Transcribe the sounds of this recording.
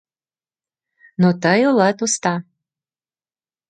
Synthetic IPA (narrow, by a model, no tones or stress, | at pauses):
not̪əjolət̪ust̪ɑ